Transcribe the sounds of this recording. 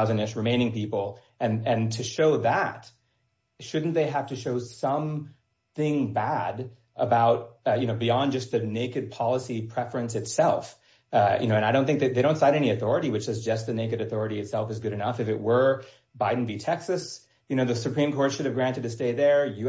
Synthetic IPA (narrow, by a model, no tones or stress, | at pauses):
ʊzɨ̃nɨʃɹɨmẽɪ̃ñɪ̃ŋpipl̩ˠ | ʔɨ̃nɨ̃ntʰɨʃoʊðæt̚ | ʃʊdⁿn̩ðeɪɦæftɨʃoʊsʌ̃m | θɪ̃ŋbæɾ | ʔəbaʊt̚jɨnoʊbiɑ̃nd͡ʒʌs̚ðɨneɪkɨd̚pʰɑlˠəsipʰɹ̥ɛfɹɨ̃nsɨtsɛlˠf | jʔɨ̰noʊɨ̃naɪɾõʊ̃nθɪ̃ŋk̚ðeɪðeɪɾõʊ̃tsãɪɾɛñiɨθɔɹɨɾiwɨt͡ʃɨzd͡ʒʌs̚ðɨneɪkɨɾɨθɔɹɨɾiɨtsɛlˠfɨzɡʊɾɨnʌfɨfɨʔ̚wə˞ | baɪdⁿn̩bitʰɛksɨs | jɨñoʊðɨsɨpʰɹ̥ĩmkʰɔɹtʃʊɾɨvɡɹæ̃ntɨd̚tʰɨsteɪðə˞jɨ